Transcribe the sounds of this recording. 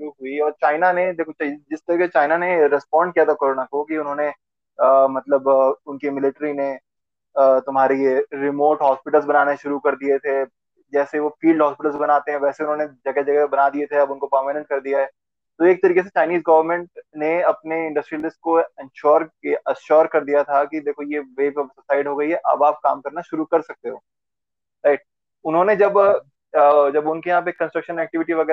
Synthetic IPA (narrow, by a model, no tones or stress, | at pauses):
ʃʊɾuɦʊiɔːɾt͡ʃaːɪnaned̪eːkʰod͡ʒɪst̪ɐɾiːkeset͡ʃaːɪnaneɾɛspɔːɳɖ̚kijat̪ʰakoːɾoːnakokiʊnɦõːne | mɐt̪ləbʊnkemɪlɪʈɾine | t̪ʊmɦaːɾejeɾɪmoːʈɦɔːspɪʈəlzbɐnaːneʃʊɾukɐɾd̪iet̪ʰe | d͡ʒɛːseʋofiːlɖʱɦɔːspɪʈəlzbɐnaːt̪eɦɛ̃ʋɛːseʊnɦõːned͡ʒɐɡɛd͡ʒɐɡɛbɐnaːd̪iet̪ʰeɐbʊnkopəɾmenə̃ʈ̚kɐɾd̪ijaɦɛː | t̪oeːk̚t̪ɐɾiːkes̬et͡ʃaːɪniːzɡɐʋəɾmɛ̃ɳʈ̚neɐpneɪ̃ɳɖɐsʈɾilɪsʈ̚koɪ̃nʃɔːɾeɐʃɔːɾkɐɾd̪ijat̪ʰakid̪eːkʰojeʋeːpsʊsaːɪɖɦoːɡɐiɦɛʔɐ̰baːp̚ka̰ːmkɐɾnaʃʊɾukɐɾsɐk̚t̪eɦoː | aɪʈ̚ | ʊnɦõned͡ʒɐb | d͡ʒɐbʊnkijɐɦãːp̬ekːɐ̃nsʈɾɐkʃənɛːk̚ʈɪʋɪʈiʋɐɡɛː